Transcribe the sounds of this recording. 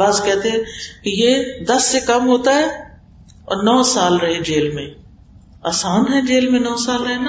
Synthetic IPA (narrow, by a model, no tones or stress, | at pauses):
azkɛːt̪eɦɛ̃kijed̪ɐsːekɐmɦoːt̪aɦɛː | ɔ̰ːɾnɔːsaːlɾɐɦed͡ʒeːlmẽː | aːsaːnɦɛd͡ʒeːlmẽnɔːsaːlɾɐɦena